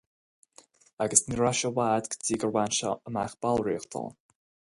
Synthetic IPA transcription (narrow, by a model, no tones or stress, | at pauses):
aɡəsniɹaʃɔwaːd̪ɡədiːɡəɹwanʃa̰əmaxb̥alˠɹiːxt̪ʰɔ̰lˠ